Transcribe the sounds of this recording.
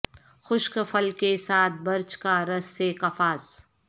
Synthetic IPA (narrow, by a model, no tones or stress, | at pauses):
xʊʃkfʰəlkesaːt̪̚ʰbɐɾt͡ʃkaɾɐsːekɐfaːs